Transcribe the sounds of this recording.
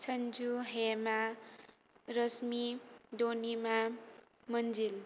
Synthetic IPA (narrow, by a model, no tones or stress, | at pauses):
sʰʌnd͡zuɦema | ɾʌsmid̪onima | mʌnd͡zil